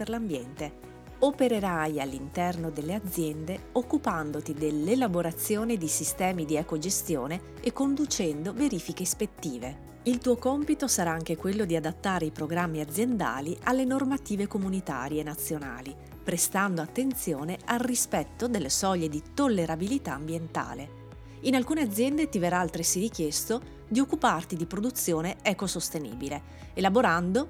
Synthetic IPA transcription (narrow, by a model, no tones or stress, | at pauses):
erlambjɛnt̪e | opeɾeɾajalːint̪ɛrnod̪elːead̪zːjɛnd̪eokːupand̪ot̪id̪elːelaboɾat̪sːjoːned̪isist̪ɛːmid̪iɛkod͡ʒest̪joːne | ekːond̪ut͡ʃɛnd̪oveɾiːfikespet̪ːiːve | ilt̪uːokɔmpit̪osaɾaaŋk̟ekwelːod̪iad̪at̪ːaːɾeipɾoɡɾamːiad̪zːjend̪a̰ːlialːenormat̪iːvekomunit̪a̰ːɾjeːnːat̪sːjona̰ːli | pɾest̪and̪oat̪ːent̪sjoːnealrispɛt̪ːod̪elːesɔʎːed̪it̪olːeɾabilit̪aːmbjent̪a̰ːle | inalkuːnead̪zːjɛnd̪et̪iveɾalt̪ɾesiɾik̟jɛst̪o | d̪iokːupart̪id̪ipɾod̪ut̪sːjoːneɛkosost̪enḭːbileː | laboɾand̪o